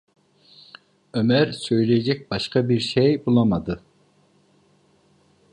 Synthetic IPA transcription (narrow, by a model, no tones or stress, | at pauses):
ømæɾsøjlɛjd͡ʒɛk̚ʲbɑʃqɑbiɾʃɛjbolˠɑmɑd̪ɨ